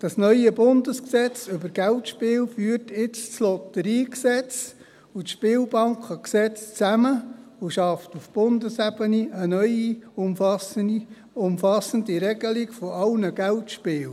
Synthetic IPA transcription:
d̥ɑsnœʏəbʊnd̪əsksɛt͡sʏbəɾɡ̥æltʃpɪːlfyːərtɪt͡st͡slɔt̪əɾiːksɛt͡s | utʃpɪːlbɑŋkχəksɛt͡st͡sæməuʃɑftufb̥ʊndəsɛb̥əniʔənœʏiʊmfɑs | ʊmfɑsəndiɾɛɡəliɡfɔɑlnəɡ̥æltʃpɪːl

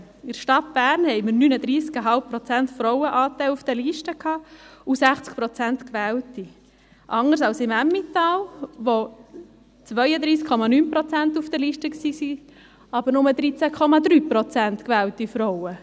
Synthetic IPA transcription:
ɪɾʃtɑt̚b̥æːɾnhɛɪməɾnyːnəd̪ɾiːskəɦɑlp̚pɾɔt͡sæntfɾɔʊəʔɑːt̪æɪlufd̥ɛliʃtəkʰhɑːusæχt͡sk̚pɾɔt͡sæntkʋɛːlti | ʔɑŋəɾs̬ɑlsɪmæmːit̪ɑːlʋo | t͡sʋœʏəd̪ɾiːskʰːɔmɑnynpɾɔt͡sæntufd̥̪əliːʃtəksiːsi | ɑbəɾnʊməd̪ɾit͡sækʰɔmɑd̪ɾyːpɾɔt͡sænt̪kʋɛːltifɾɔʊə

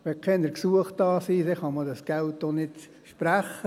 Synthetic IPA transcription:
ʋɛkʰɛnəɾksuəχt̚ɑːsiːdɛχɑmədɑsɡ̥æltːonɪt | ʃpɾæχə

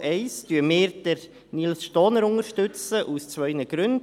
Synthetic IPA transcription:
ʔɛɪstyəmɪːɾdəɾ | nilsʃtɔːnəɾʊŋəɾʃtʉt͡səʔust͡sʋœʏnəɡ̥ɾʉn

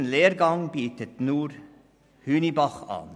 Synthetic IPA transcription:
nleːɾɡɑŋbiːt̪ət̪nuːɾ | hʉːnibɑχɑ̰n

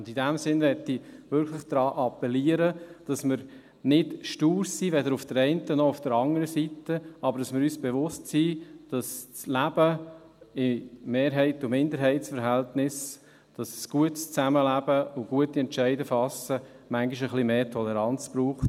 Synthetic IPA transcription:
ʊndidæmsɪnʋɛtːiʋʏɾkχləχd̪̥ɾɑːʔɑpːɛliəɾəd̥ɑsmɪɾ | nɪd̥ʃtuːɾsiːʋɛdəɾufd̥əɾɛɪntənɔʊfd̥əɾɑŋəɾəsitəɑbəɾdɑsmɪɾyːsb̥eʋʊstsiːd̥ɑst͡slæb̥ə | ɪmeːɾɦɛɪtʊmɪndəɾɦɛɪtsfəɾɦɛltnɪs | d̥ɑssɡ̥uətst͡sæməlæb̥əʊɡ̥uətiɛnt͡ʃɛɪdəfɑsə | mæŋɡiʃəχlimeːtʰɔlɛɾɑnt͡sb̥ɾuːχt

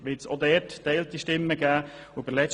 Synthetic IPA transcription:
ʋɪtsod̪ɛːɾttɛɪltiʃtɪmːəɡ̥æːʊb̥əlɛ

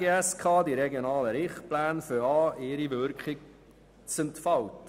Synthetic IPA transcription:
eɛskʰɑːdiɾɛɡjonɑːləɾɪχtplæːnføɑːʔɪːɾivʏɾkχɪ | t͡səntfɑwt

